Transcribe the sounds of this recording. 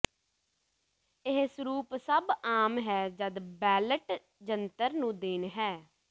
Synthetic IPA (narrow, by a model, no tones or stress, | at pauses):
ɪɦsɾuːpsəbaːmɦɛːd͡ʒəd̪bɛːləʈ | d͡ʒənt̪əɾnũːd̪eːnɦɛː